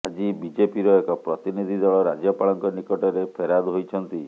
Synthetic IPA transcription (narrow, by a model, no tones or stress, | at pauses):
ad͡ʒibid͡ʒepiɾɔekɔpɾɔt̪inid̪ʱid̪ɔɭɔɾad͡ʒjɔpaɭɔŋkɔnikɔʈɔɾepʰeɾad̪ɦojt͡ʃʰɔnt̪i